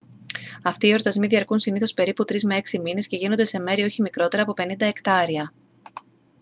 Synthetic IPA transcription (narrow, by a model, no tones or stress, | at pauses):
ɐft̪iːo̞ɾt̪ɐzmiðiɐɾkunsiniθo̞spe̞ɾiput̪ɾizme̞e̞ksimine̞sce̞ʝino̞nd̪e̞se̞me̞ɾio̞çimikɾo̞t̪eɾɐːpo̞pe̞nind̪ɐe̞kt̪ɐɾiɐ